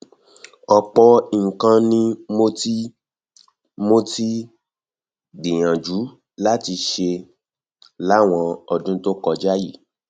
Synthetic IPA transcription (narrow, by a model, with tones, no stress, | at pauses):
ɔ˧k͡pɔ˧i˦˨ŋ̩˨kã˧nĩ˦mo˦ti˦ | mo˦ti˦ | dĩ˨j̃ã˨d͡ʒu˨˦ | la˦ti˧ʃe˧ | la˦˨w̃ɔ̃˧ɔ˧dũ˦to˦kɔ˧d͡ʒa˦ji˦˨